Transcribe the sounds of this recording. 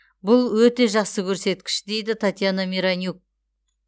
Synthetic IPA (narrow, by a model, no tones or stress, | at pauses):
bʊlˠwɵt̪e̞ʒɑqsəkʲʰɵɾse̞t̪kʲɪ̥ʃd̪e̞jd̪ɪt̪ʰat̪janamʲeɾanʲjuk̚